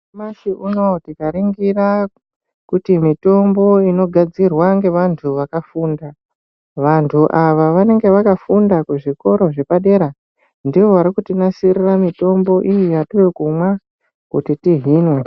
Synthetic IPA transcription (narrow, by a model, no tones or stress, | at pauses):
masiuno̞tikaɾiŋɡira | kutimito̞mbo̞ino̞ɡʱad͡zirwaŋɡe̞ʋantʰuʋakafuːnda | ʋantʰuʔaʋaʋane̞ŋɡe̞ʋakafundakuʐiko̞ɾo̞ʐe̞paɗe̞ɾa | ndiʋo̞ʋaɾikutinasiriramito̞mbo̞ʔijijatiwekumwa | kutitiɦiːnwe